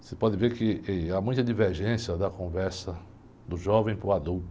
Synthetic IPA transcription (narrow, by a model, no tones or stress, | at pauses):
sepɔd̪ɪveɾkɪamũj̃t̪ɐd̪iveɾʒẽsjɐd̪ɐkõvɛɾsɐ | d̪ʊʒɔvẽj̃pɾʊad̪uwt̪ʊ